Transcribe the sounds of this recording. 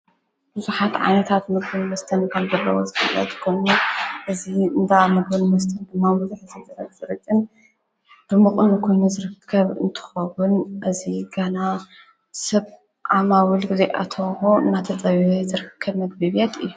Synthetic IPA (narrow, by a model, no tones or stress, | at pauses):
b̥ɨzuħat̪ʕa̰jnɐt̪ʰat̪mɨɡbɨnmɐst̪ʰɐnkʰɐmzɐlːɐ̰wozɨfɨlːɐ̰t̪ʼkʰojnuʔɨziɨnd̪amɨɡbɨnmɐst̪ʰɐnd̪ɨmːamɨzuħzizɨɾɐt̪z̥ɨɾɨkʼːɨn | b̥ɨmɨχʼɨnkʰo̞jnuzɨɾɨkʰːɐβɨ̰nt̪ʰɨ̥xɐwunʔɨziɡɐna | sɐβ | ʕamawɨlɡɨzeʔa̰t̪ʰɐxoɨnːat̪ʰɐt͡sʼɐβzɨɾɨkʰːɐβmɐɡ̚bɨβjet̪ɨjːu